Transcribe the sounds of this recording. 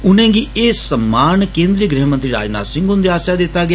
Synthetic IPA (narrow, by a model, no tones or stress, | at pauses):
ʊnɛ̃ːɡiːeːsəmːaːnkẽːnd̪ɾiːɡɾiɦmə̃nt̪ɾiːɾa̰ːd͡ʒna̰ːsɪ̃ŋɡʊnd̪iaːsaːd̪ɪt̪ːaːɡɪa